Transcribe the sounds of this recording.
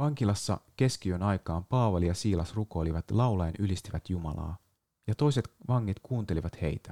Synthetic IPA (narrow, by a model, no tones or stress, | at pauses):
ʋɑŋkilɑsːɑ̰ke̞sk̟iø̞nɑjkɑːmpɑːʋɑlijɑsiːlɑsruko̞jliʋɑt̪lɑwlɑenʔylist̪iʋæt̪jumɑ̰lɑ̰ː | jɑt̪o̞ijse̞t̪ʋɑŋːit̪kuːnt̪e̞liʋɑt̪he̞̰jt̪æ̥